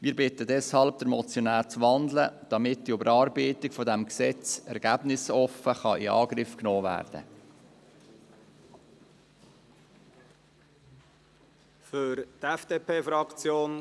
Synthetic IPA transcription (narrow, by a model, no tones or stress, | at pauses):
mɪːɾbɪtədɛshɑlb̚d̥əɾmɔt͡sjɔnæːɾt͡sʋɑnd̪ləd̥ɑmɪtd̥iʊbəɾɑːɾbiːtɪkfɔdæmksɛt͡sɛɾɡ̥æbnɪsɔfəχɑʔiɑ̰ːɡɾɪfknoːvæ̰ːrd̥̪ə̰ | fʏɾt̪ɛfd̥eːpʰeːfɾɑkt͡sjoːn